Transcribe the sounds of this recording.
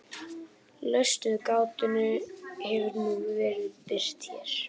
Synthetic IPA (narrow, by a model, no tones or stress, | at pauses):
lœɥst̪ʏðkaːwt̪ʏnʏhɛvʏɾnuːɣvɛːɾɪðpɪɾ̥t̪çɛɾ̥